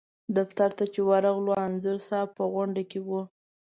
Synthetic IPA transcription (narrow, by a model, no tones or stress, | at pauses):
d̪aft̪aɾt̪at͡ʃewaɾaɣloanzəɾsɑpəɣaɳɖakewu